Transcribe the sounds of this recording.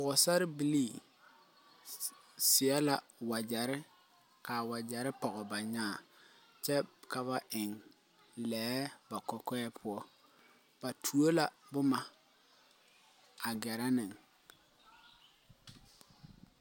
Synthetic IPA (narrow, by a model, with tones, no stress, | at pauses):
bʊ˨ɣʊ˨sa˦ɾɪ˦bi˨liː˦˨ | sɪ˨ɛ˦la˨wa˨d͡ʒɛ˨ɾɪ˦ | ka˨wa˨d͡ʒɛ˨ɾɪ˦pɔ˨ɣɔ˨ba˨ɲaː˦˨ | t͡ʃɛ˦ka˨βa˦˨ʔɪ˨ŋ | lɛː˨˦ba˨kɔ˦kɛː˦pʰʊ˦ɔ˦ | b̥a˨tʰu˨o˦la˨bʊ˦ma˨ | a˨ɡɛ˨ɾɛ˦nɪ˨ŋ